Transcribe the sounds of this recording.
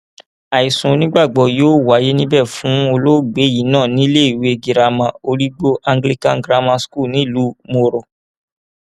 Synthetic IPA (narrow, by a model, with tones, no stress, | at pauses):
a˨i˨sũ˨˧nĩ˦ɡ͡ba˦˨ɡ͡bɔ˧˨joː˦wa˨˦je˦nĩ˦bɛ˦˨fũ˨˦o˧lo˦ɡ͡be˨˦ji˨˦nãː˦˨nĩ˦le˦i˨we˨˦˧ɡi˨ɾa˧mã˧o˧ɾi˦ɡ͡bo˦ʔa˧ŋɡli˦kã˦ɡɾa˧mã˧sku˦˨nĩ˨˦˨lu˨˦mo˧ɾɔ˨